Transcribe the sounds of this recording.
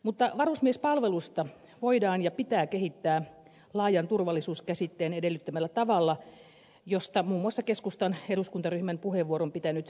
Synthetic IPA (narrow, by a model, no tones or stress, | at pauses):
mut̪ːɑʋɑrusmiespɑlʋelust̪ɑ | ʋoidɑːnjɑpit̪æːkehit̪ːæː | lɑːjɑnt̪urʋɑlːisuːskæsit̪ːeːnedelːyt̪ːømælːæt̪ɑʋɑlːɑ | jost̪ɑmuːmːuɑsːɑkeskust̪ɑneduskunt̪ɑryhmæmpuheʋuoɾompit̪ænyt̪